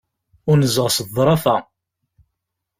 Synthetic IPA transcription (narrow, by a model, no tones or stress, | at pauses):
ʊɾnəzəʁsəðˤːɾˤɑfæ